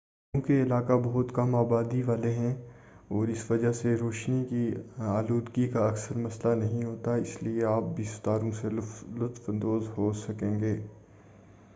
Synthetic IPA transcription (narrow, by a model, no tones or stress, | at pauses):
keɪlaːkabɐɦʊt̪kɐmaːbaːd̪iʋaːleɦɛ̃ | ɔːɾɪsʋɐd͡ʒaɦseɾoːʃnikiaːluːd̪ɡikaɐksəɾmɐslanɐɦĩɦoːt̪aɪslieaːp̚bʱist̪aːɾõselʊt̪fə̃nd̪oːzɦoːsɐkẽːŋɡeː